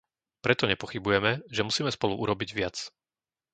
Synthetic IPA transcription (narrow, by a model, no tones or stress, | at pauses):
pɾɛt̪ɔɲɛpɔxibujɛmɛʒɛmusiːmɛspɔluʔuɾɔbiɟʋɪat͡s